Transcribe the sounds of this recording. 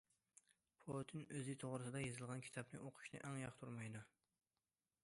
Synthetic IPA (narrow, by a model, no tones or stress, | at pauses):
pʰot̪ʰɪnøzɪt̪ʰoʁɾɨsɨd̪ɑjezɨlˠʁɑnkʰʲi̥t̪ʰɑpnɨʔoqʰʊ̥ʃnɨ̰ʔɛŋjɑχt̪ʰuɾmɑjd̪u